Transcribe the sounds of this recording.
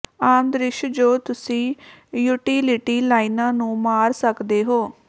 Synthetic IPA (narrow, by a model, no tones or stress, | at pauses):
aːnd̪ɾɪʃd͡ʒoːt̪ʊsĩːjuːʈiːlɪʈiːlaːinãːnũːmaːɾsəkd̪eːɦoː